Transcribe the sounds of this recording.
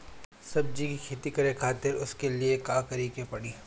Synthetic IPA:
sɐb̚d͡ʒikikʰeːt̪ikɐɾekʰaːt̪ɪɾʊskeliekaːkɐɾiːkepɐɽiː

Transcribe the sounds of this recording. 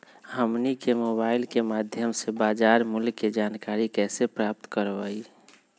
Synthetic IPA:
ɦəmnikemoːbaːɪlkemaːd̪ʱjəmsebaːd͡ʒaːɾmʊlːed͡ʒaːnkaːɾikɛːsepɾaːp̚t̪kəɾʋaːi

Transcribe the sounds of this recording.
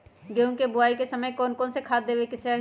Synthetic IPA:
ɡeũkebʊaːikesɐməjkɔːnkɔːnsekʰaːt̪d̪eːʋekit͡ʃʰɛ

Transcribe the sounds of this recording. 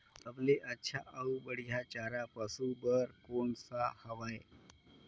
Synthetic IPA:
əpleʔətːɕʰaʔəubəɽ̤jat͡ɕaɾapəsubəɾkoɳsahəʋaj

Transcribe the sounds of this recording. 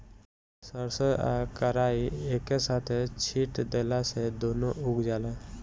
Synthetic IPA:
səɾsəa̰kəɾaːieːkːesaːt̪ʰet͡ʃʰiːʈd̪eːlased̪oːnoʊɡd͡ʒaːlẽː

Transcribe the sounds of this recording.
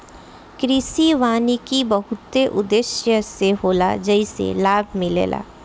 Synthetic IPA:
kɾisiʋaːnikibəɦʊt̪ːeʔʊd̪eʃjəseɦoːla̰d͡ʒəisḛlaːbʱmɪ̃lḛːla̰ː

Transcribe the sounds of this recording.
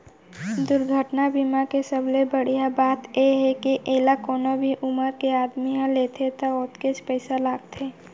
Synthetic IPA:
d̪ʊɾɡʱəʈnabimakesəblebəɽ̤ijabaːt̪jeɦɛkiʔeːlakoːnobʱiʔʊməɾkeaːd̪miɦãleːt̪ʰet̪aoːt̪ket͡ʃpɛɪsalaːɡt̪ʰeː

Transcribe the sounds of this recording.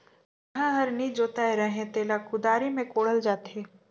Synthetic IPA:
ɐɦãɦɐɾniːd͡ʒoːt̪aːeɾɐɦẽt̪eːlakʊd̪aːɾimẽkoːɽəld͡ʒaːt̪eː

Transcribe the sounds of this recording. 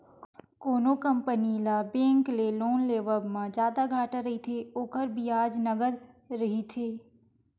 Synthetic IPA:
koːnokə̃mpənilaːbẽːŋkleloːnleːʋəbmãd͡ʒjaːd̪aɡʱaːʈaɾɐɦit̪ʰeoːkəɾbʱiaːd͡ʒnɐɡəd̪ɾɐɦit̪ʰeː

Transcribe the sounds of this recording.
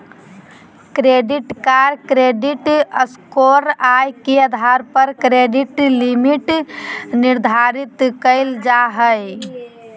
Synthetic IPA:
kɾeɖiʈkaɾkɾeɖiʈəskoɾajkeəd̪ʱaɾpəɾkɾeɖiʈlimiʈniɾd̪ʱaɾit̪kəɪld͡ʒaɦəj

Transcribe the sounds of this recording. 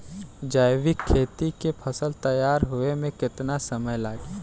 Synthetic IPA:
d͡ʒaːjwɪkʰːeːt̪ikepʰɐsəlt̪ɐjaːɾɦʊemẽkɪt̪nasɐməjlaːɡi

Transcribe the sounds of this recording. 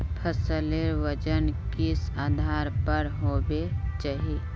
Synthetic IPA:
pʰəsəleɾʋəd͡ʒənkɪsaːd̪ʱaːɾpəɾɦoːbet͡ʃaɦieː

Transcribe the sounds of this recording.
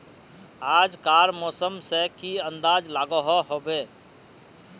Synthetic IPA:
aːd͡ʒkaːɾmɔːsəmsekiə̃nd̪aːd͡ʒlaːɡɔɦɔɦobe

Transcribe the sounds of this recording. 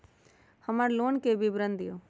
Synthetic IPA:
həmaɾloːnkebʱibɾənd̪ijoː

